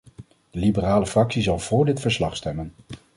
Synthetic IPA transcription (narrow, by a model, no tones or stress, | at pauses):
d̥əlibəraːləfrɑksizɑlˠv̥ʊːɹdɪtfəɹslɑχstɛmən